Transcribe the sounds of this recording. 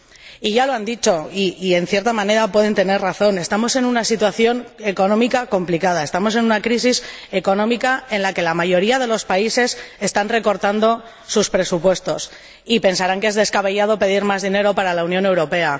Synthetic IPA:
iʝalo̞and̪it͡ʃo̞iːe̞nθje̞ɾt̪amãne̞ɾapwe̞ð̞e̞nt̪e̞ne̞rraθo̞ne̞st̪amo̞se̞nũnasit̪waθjo̞ne̞ko̞nõ̞mikako̞mplikað̞ae̞st̪amo̞s̬e̞nunakɾisise̞ko̞nõ̞mikae̞nlake̞lamaʝo̞ɾiað̞e̞lo̞spaise̞se̞st̪anre̞ko̞ɾt̪and̪o̞ | suspɾe̞supwe̞st̪o̞s | ipe̞nsaɾaŋke̞zðe̞skaβe̞ʝað̞o̞pe̞ð̞iɾmazðine̞ɾo̞paɾalaunjõ̞ne̞wɾo̞pe̞a

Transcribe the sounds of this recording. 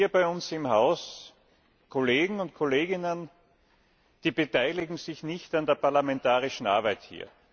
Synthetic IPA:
iːɐbaɪʊnsɪmhaʊs | kʰoleːɡŋ̩ʊnt̚kʰoleːɡɪnən | d̥iːb̥etaɪlɪɡŋ̩sɪçnɪçtandeːɐpaɐlamɛntaːʁɪʃn̩ʔa̰ɐbæɪthḭːɐ

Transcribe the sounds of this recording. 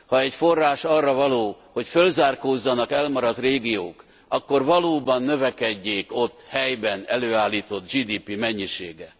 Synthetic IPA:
hɒɛcfo̞rːaːʃɒrːɒvɒloː | ho̞cfølzaːrkoːzːɒnɒkɛlmɒɾɒt̪reːɡijo̰ːk | ɒkːo̞rvɒloːbɒnːø̞vɛkɛɟːeːko̞t̪ːhɛjbɛnɛløːaːlːiːt̪o̞t̪d͡ʒiːd̪iːpimɛɲːiʃḛːɡɛ

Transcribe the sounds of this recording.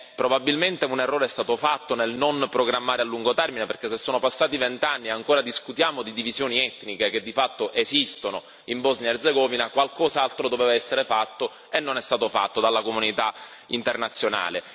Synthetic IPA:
pɾobabilment̪eunerːoːɾeɛst̪aːt̪ofat̪ːonelnonpɾoɡɾamːaːɾealːuŋɡot̪ɛrmineperk̟esːesːoːnopasːaːt̪ivent̪anːiaŋkoːɾad̪iskut̪jaːmod̪id̪ivizjoːniɛt̪ːnikek̟ed̪ːifat̪ːoʔezist̪ono | imbɔznjaerd̪zeɡɔvinakwalkɔːzaalt̪ɾod̪oveːvaɛsːeɾefat̪ːo | enːonɛst̪aːt̪ofa̰t̪ːod̪alːakomunit̪a | int̪ernat̪sːjona̰ːle

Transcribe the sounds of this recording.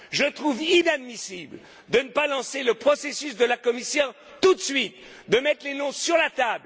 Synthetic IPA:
ʒət̪χuvinad̪misibl | d̪ənəpalɑ̃seləpχɔsesysd̪əlakɔmisjɔ̃ | t̪ut̪sɥit̪̚ | d̪əmɛt̪χlenɔ̃syʁlat̪abl

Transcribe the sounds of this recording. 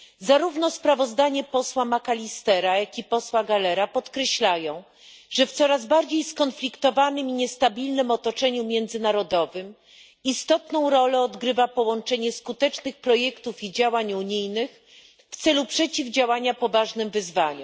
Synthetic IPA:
zaɾuvn̪ɔspɾavɔzd̪aɲɛpɔswamakalʲist̪ɛɾajakʲipɔswaɡalɛɾapɔt̪kɾɛɕlajɔ̃w̃ | ʐɛft̪sɔɾazbaɾd͡ʑejskɔnflʲikt̪ɔvanɘmiɲɛst̪abʲilnɘmɔt̪ɔt͡ʂɛɲumʲjɛnd̪zɘnaɾɔd̪ɔvɘm | ist̪ɔt̪nɔ̃w̃ɾɔlɛɔd̪ɡɾɘvapɔwɔnt͡ʂɛɲɛskut̪ɛt͡ʂnɘxpɾɔjɛkt̪ufid͡ʑawaɲuɲijnɘx | ft̪sɛlupʂɛt͡ɕivd͡ʑawaɲapɔvaʐnɘmvɘzvaɲu

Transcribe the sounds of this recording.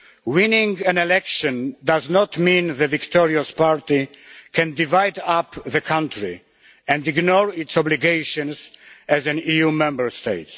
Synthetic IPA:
wĩnĩŋɡɛ̃nɛlɛkʃɔ̃ndaznɔt̪mĩnðəvikt̪ɔɹiaspaɹt̪ikʰɛ̃nd̪ivajd̪apðəkʰãntʰɹi | ɛ̃ndiɡnɔɹitsɔbliɡejʃɔ̃nsɛzɛ̃nijumɛ̃mbəɹst̪eɪt

